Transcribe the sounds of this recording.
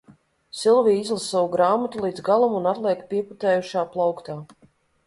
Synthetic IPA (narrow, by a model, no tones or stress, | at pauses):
silˠvijizlˠasːawuɡɾaːmat̪ulˠiːd̪zɡalˠumunat̪lˠiɛkpiɛput̪ɛːjuʃaːplˠawkt̪aː